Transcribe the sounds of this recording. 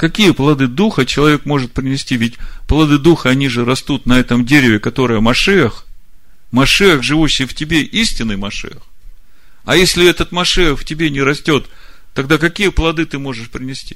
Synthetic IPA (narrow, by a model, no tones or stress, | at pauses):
kɐkʲijəplˠɐd̪ɨd̪uxət͡ɕɪlˠɐvʲekmo̞ʐɨt̪̚pɾʲɪnʲɪsʲtʲivʲɪtʲplˠɐd̪ɨd̪uxəɐnʲiʐɨɾɐst̪ut̪nɐɛt̪əmdʲeɾʲɪvʲɪkɐt̪o̞ɾɨjəmɐʂɨjəx | mɐʂɨjəxʐɨvuɕːɪjftʲɪbʲeʔisʲtʲɪnːɨjmɐʂɨ̰jəx | ɐjesʲlʲɪɛt̪ət̪mɐʂɨjəxftʲɪbʲenʲɪɾɐsʲtʲo̞t̪ː | ɐɡd̪akɐkʲijəplˠɐd̪ɨt̪ɨmo̞ʐɨʂpɾʲɪnʲɪsʲtʲi̥